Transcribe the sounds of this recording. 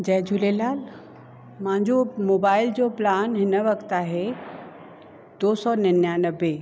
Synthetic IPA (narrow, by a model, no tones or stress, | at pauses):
d͡ʑɐɦd͡ʑʱulelaːl | mãɦɪ̃ɲd͡ʑomoːbaːɪld͡ʑoːplaːnɦɪnə̆ʋɐkt̪aːɦe | d̪̥oːsɔnɐnjanɐbe